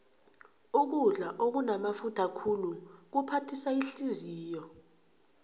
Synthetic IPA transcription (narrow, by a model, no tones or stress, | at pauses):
uk̬uɮaʔok̬unamafutʰakʰuluk̬upʰatʰisaiɬiziːjɔ